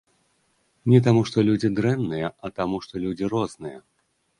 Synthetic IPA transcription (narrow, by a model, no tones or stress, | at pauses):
nʲɛt̪̬amuʂt̪ɔlʲud͡zʲid̪ɾɛnnɨjɐɐt̪amuʂt̪ɔlʲud͡zʲirɔznɨjɐ